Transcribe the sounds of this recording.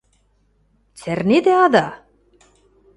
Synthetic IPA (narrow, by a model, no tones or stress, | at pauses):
t͡særned̪eɑd̪ɑ